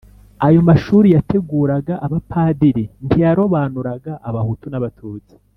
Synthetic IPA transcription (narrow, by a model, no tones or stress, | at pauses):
ajo̞maʃuːɾijatʰe̞ɡuːɾaɡaʔaβapʰaːdiɾintijaɾo̞βaːnuɾaɡaʔːβahutunaβatʰuːt͡si̥